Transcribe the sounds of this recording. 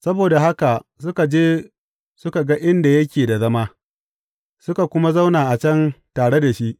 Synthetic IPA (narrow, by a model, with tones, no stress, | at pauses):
sɐ˦boː˨da˨ɦa˦ka˨sʊ˦ka˨d͡ʒeː˦ | sʊ˦ka˨ɡa˦ʔɪ˦nda˨jɐ˦kʲeː˨da˨zɐ˦maː˦ | sʊ˦ka˨kʷʊ˦ma˦za˦wnaː˨ʔa˨t͡ʃɐ˦ntaː˨ɽe˦da˨ʃi˦ʔ